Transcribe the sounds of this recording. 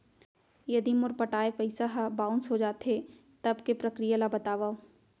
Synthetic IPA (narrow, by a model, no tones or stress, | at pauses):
jɐd̪imʊɾpɐʈaːepɐɪsaɦabãːʊnsɦod͡ʒaːt̪ɦe | t̪ɐbkepɾɐkɾijalabɐt̪aːʋaːo